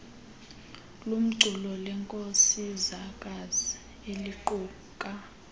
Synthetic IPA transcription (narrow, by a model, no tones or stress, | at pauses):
lum̩ǀʱulɔlɛŋkʼosizakʼazi | eliǃuː | kʼa